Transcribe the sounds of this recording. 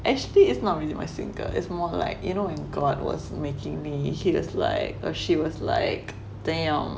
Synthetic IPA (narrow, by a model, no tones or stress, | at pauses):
ʔɛk̚t͡ʃəliɪtsnɔt̚ɹilĩmaɪsɪ̰̃ŋɡə̰ɪ̰tsmɔla̰ɪkjunowɛ̃nɡɔd̚wɔ̰smekʰɪ̃ŋmihiwɔ̰sla̰ɪkɔʃiwɔsla̰ɪk | d̥ɛ̃ə̃m